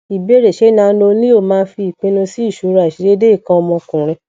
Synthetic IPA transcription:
i˨be˨˦ɾe˨ʃe˨˦nãː˨˧˦lo˧nĩ˦o˦˨mãː˦˧˦fi˧˦i˨k͡pẽ˧˦nũ˧si˦i˦˨ʃu˨˦ɾa˧˨i˨ʃi˨˦ɾe˦de˦i˦˨kã˧ɔ˧mɔ̃˧kũ˨ɾ̃ɛ̃˧

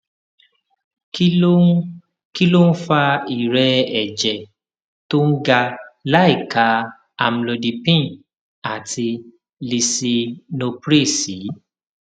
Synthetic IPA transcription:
k | ki˦lo˦n̩˦fa˧i˨ɾɛ˧ɛ˨d͡ʒɛ˨ | to˦n̩˦ɡa˧la˦i˦˨ka˨˦ | a˨m̩˨lo˧di˧pĩ˦ | a˨tʰi˧ | li˧si˧no˧pɾe˦˨si˨˦

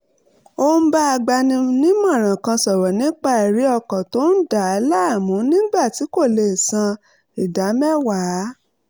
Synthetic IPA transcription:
o˧˦ba˦a˧ɡ͡ba˧nĩ˧nĩ˦mã˦˨ɾ̃ã˨kã˧sɔ˨ɾɔ˨nĩ˦k͡pa˦˨i˨ɾi˨˦ɔ˧kɔ˨to˨˦n̩˦da˨˧˦la˦a˦˨mũ˨˦nĩ˦ɡ͡ba˦˨ti˨˦ko˦˨le˨sã˧ | i˨da˨˦mɛ˦wa˨˦

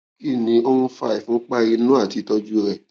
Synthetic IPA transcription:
ki˦˨nĩ˨˧˦o˦ũ˧fa˦˨i˨fũ˨˦k͡pa˦˧ji˧˦nũ˦a˦˨ti˨˦tɔ˧d͡ʒu˦ɾɛ˦˨

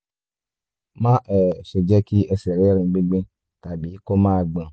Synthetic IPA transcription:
mã˦ʔɛ˨ʃe˨d͡ʒɛ˦ki˦ʔɛ˧sɛ˨ɾe˦ɾĩ˧ɡ͡be˦ɡ͡bẽ˦ | ta˨bi˨˦ko˦mãː˦˨ɡ͡bã˨

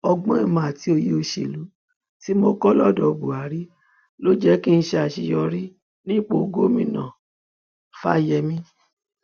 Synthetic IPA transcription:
ɔ˧ɡ͡bɔ̃˦i˦˧mã˨a˨ti˨˦o˧je˦o˧ʃe˨lu˨˦ | ti˦mo˦kɔ˦lɔ˦˨dɔ˧bu˨a˨˦ɾi˦ | lo˦d͡ʒɛ˦ki˦n̩˧˦ʃɛ˧a˨ʃi˧jɔ˧ɾi˦ | nĩ˦k͡po˦˨ɡo˦mĩ˦nã̰˨ | fa̰˦˨jɛ˧mĩ˦

